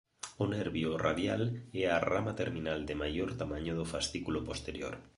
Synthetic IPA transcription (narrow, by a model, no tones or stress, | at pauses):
oneɾβjora̰ðjaleara̰mat̪eɾmĩnald̪emajoɾt̪amãɲoðofast̪ikulopost̪eɾjo̰ɾ